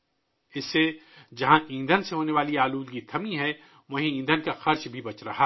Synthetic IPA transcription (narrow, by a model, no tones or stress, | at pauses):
ɪsːed͡ʒɐɦãʔĩːnd̪ʱənseɦoːneʋaːliaːluːd̪ɡit̪ʰɐmĩɦɛ | ʋɐ̃ɦĩĩːnd̪ʱənkaxɐɾt͡ʃbʱibɐt͡ʃɾɐɦa